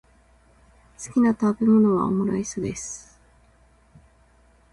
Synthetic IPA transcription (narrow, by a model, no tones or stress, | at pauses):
sɨ̥kʲinat̪abe̞mo̞no̞βa̰o̰mo̞ɾaisod̪e̞sɨ̥